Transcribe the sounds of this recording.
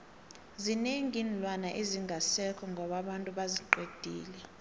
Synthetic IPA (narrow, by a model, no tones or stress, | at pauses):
zineŋʱinilwanaʔeziŋɡʱasɛkʰɔŋɡʱɔɓaɓantʼuɓaziǃwed̥ʱḭːlɛ